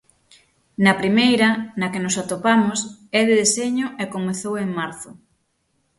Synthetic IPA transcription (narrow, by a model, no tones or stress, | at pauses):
nɐpɾimejɾɐnɐkɪnʊsat̪opamʊsɛðɪðeseɲʊʔɛkomeθoweŋmaɾθʊ